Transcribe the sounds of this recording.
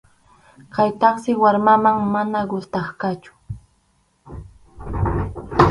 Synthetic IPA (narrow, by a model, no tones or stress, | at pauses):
kajt̪ɑχsɪwaɾmamaŋmanaɢʊlt̪ɑχkat͡ʃʊ̥